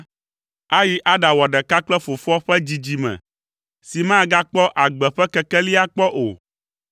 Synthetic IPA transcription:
a˦ji˦ʔa˦ɖã˨wɔ˨ɖɛ˨ka˦k͡plɛ˦fo˨fɔ˦ɸɛ˦d͡ʑi˨d͡ʑi˨mɛ̰̃˨ | si˨mã˦˨ɡa˦k͡pɔ˦ʔa˨ɡ͡bɛ˨ɸɛ˦kɛ˨kɛ˦li˦a˦k͡pɔ˦ʔo̰˨

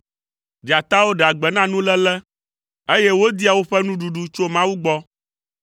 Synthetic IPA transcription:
ɖi˨a˨t̪a˦wo˦ɖa˨ɡ͡bɛ˨nã˦nũ˦lɛ˦lɛ˦ | e˦je˦wo˦d̪i˦a˨wo˦ɸɛ˦nũ˦ɖu˨ɖu˦t͡ʃo˦mã˦wu˦ɡ͡bɔ˦

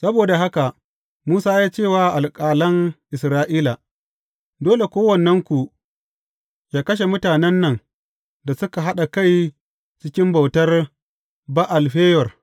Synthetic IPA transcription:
sɐ˦boː˨da˨ɦa˦ka˨ | muː˦saː˦jaː˦t͡ʃeː˦˨waː˨ʔa˨lkʼaː˨lɐ˦ŋʔɪ˨sɾaː˦ʔiː˦la˨ | doː˦le˨kʷoː˦wɐ˨nːɛ˦ŋkʷu˨ | jaː˦kɐ˦ʃ̬e˨mʊ˦taː˨nɛ˦nːɐ˨ŋ | da˨sʊ˦ka˨ɦa˦ɗa˨ka˦˨j | t͡ʃɪ˦kʲɪ˦mba˨wtɐ˦r | ba˦ʔa˨lɸeː˦jɔ˨r

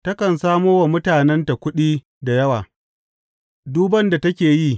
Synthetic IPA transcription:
tɐ˦kɐ˨nsaː˦moː˦wa˨mʊ˦taː˨nɛ˦nta˨kʷʊ˦ɗiː˦ | da˨jɐ˦waː˨ | duː˦bɐ˦nda˨tɐ˦kʲeː˨jiː˦

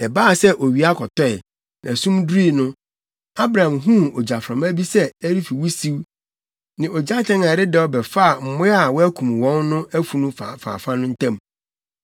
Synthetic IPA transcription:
ɛ˨baː˦˨sɛ˦ʔo˨ɥi˨˦a˦kʰɔ˨tʰɔ˦ɛ˨ | nã̰˨sũ˦mdɾi˦˨nʊ̃˦ | a˦bɾã˨ã˨mɦũ˦ɔ˨d͡ʑa˨fɾã˨mæ˦bi˦sɛ˦æ˦ɾi˦fi˨wu˦si˦w | nɪ̃˨ɔ˨d͡ʑa˦tʰɛ̃˦na˨ɾɪ˦dɛ˨ɔ˦bɛ˨fa˦a˨m̩˨mʊ̃˦a˨wɔ˦æ˦kʰũ˨m˨wɔ̃˦nːʊ̃˦æ˦fu˨nũ˦fa˨fa̰ː˨fã˦nʊ̃˦n̩˦tʰã˦˨m

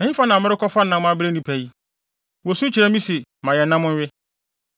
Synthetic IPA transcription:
ɛ˨hĩ˦fa˦nã˨mɪ˦ɾɪ˦kʰɔ˦fa˦nã˨mʊ̃˦a˦bɪ˦ɾe˦nĩ˦pʰæ˨ji˦ | wɔ˨su˦t͡ɕʰi˨ɾɛ˦mĩ˦si˨mã˨jɛ˨nã˦mʊ̃˦n˦ɥᶣɪ˦

